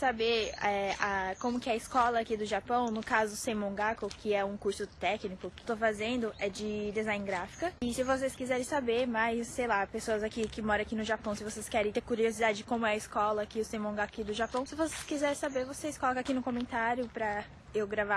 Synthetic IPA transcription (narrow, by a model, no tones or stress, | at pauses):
sabeɾɛakõmʊkɪɐɪskɔlɐːkid̪ʊʒapɐ̃w̃nʊkazʊsẽmõɡakʊkɪɛũkuɾsʊt̪ɛknikʊkɪt̪ofazẽnd̪ʊʔɛd͡ʒɪd̪ezãj̃nɡɾafi̥kɐɪsɪvos̬eskizɛɾẽsabeɾmajsːejlapesoɐzakikɪmɔɾɐ̃akinʊʒapɐ̃w̃sɪvoseskɛɾẽt̪eɾkuɾiozid̪ad͡ʒɪd͡ʒɪkõmʊɛɐɪskɔlɐːkiʊsẽmõɡakkid̪ʊʒapɐ̃w̃sɪvoseskizɛɾẽsabeɾvoseɪskɔlɔkɐakinʊkõmẽnt̪aɾjʊpɾɐ | ewɡɾava